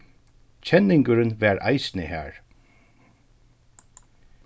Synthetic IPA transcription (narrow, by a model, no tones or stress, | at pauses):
t͡ʃʰɛnɪŋkəɾnʋæːɹʔa̰jsnəhæ̰ːɹ